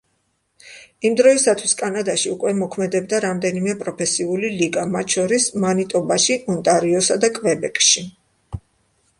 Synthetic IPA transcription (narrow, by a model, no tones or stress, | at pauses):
imd̪ɾɔisat̪ʰwiskʼanad̪aʃiukʼwɛmɔkʰmɛd̪ɛb̚d̪aɾamd̪ɛnimɛpʼɾɔpʰɛsiuliliɡamat̪ʰʼʃɔɾismanit̪ʼɔbaʃiʔɔnt̪ʼaɾiɔsad̪akʼvɛbɛkʼʃi